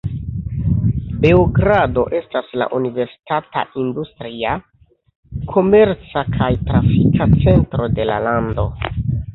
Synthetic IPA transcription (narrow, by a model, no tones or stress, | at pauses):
be̞oɡɾado̞ʔe̞stasla̰ʔunive̞ɾsi̥tata̰ʔindustɾia | kʰo̞me̞ɾt͡sakʰajtɾafikat͡se̞ntɾo̞de̞la̰lando̞